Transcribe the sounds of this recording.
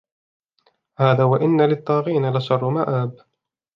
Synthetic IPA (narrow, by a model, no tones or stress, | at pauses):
haːðaːwaʔɪnːalɪt̪ˤːɑːɣiːnalaʃɑrˤːʊmaːʔaːb